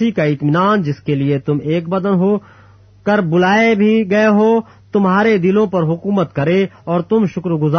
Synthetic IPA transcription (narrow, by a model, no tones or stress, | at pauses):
ikaɪt̪mɪnaːnd͡ʒɪskeliet̪ʊmeːk̚bɐd̪ənɦoː | kɐɾbʊlaːebʱiɡɐeɦoː | t̪ʊmɦaːɾed̪ɪlõpɐɾɦʊkuːmət̪kɐɾeɔːɾt̪ʊmʃʊkɾɡʊzaː